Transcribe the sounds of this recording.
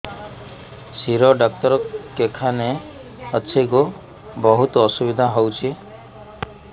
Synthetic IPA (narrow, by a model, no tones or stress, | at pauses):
siɾɔɖɔk̚t̪ɔɾɔkekʰane | əːʃʰeku | bɔɦut̪ɔɔsubid̪ʱaɦowt͡ʃʰi